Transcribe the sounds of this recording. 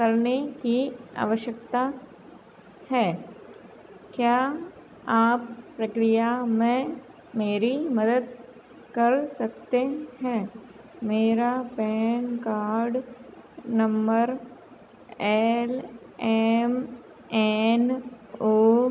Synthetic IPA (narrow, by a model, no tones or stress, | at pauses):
kɐɾnekia̰ːʋəʃjəkt̪a | hɛː | kjaː | aːpːɾəkɾijamẽ | meːɾimɐd̪əd̪̚ | kɐɾsɐkt̪ehɛ̃ː | meːɾapɛːnkaːɾɖ | nɐ̃mbəɾ | ɛːl | ɛːm | ɛnoː